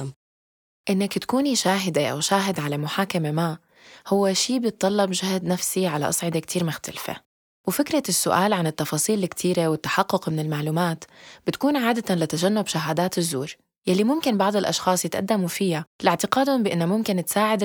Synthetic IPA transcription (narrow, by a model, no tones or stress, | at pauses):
ʔɪnːakt̪ḁkuːniʃaːɦɪd̪eʔa̰wʃaːɦɪd̪ʕalamʊħaːkamema | hʊwːeʃiːbjɪt̪̚ˤːɑlːɑbʒahd̪nafsiʕala̰ʔɑsˤʕɪd̪ekt̪ʰiːɾmʊxt̪alfḛ | wɪfɪkɾasːʊʔa̰ːlʕanɪt̪ːɑfɑːsˤiːlɪkt̪ʰiːɾewɪt̪ːḁħɑqːʊqmɪnɪlmaʕluːmaːt̪b̥ɪt̪kuːnʕaːd̪at̪anlɪt̪aʒanːʊbʃaɦaːd̪aːt̪ɪzːuːɾ | jalːimʊmkɪnbɑʕd̪ˤɪlʔɑ̰ʃxɑːsˤjɪt̪ʔa̰d̪ːamufɪjalɪʕt̪ɪqaːd̪ʊmbɪʔɪnːamʊmkɪnt̪saːʕɪd̪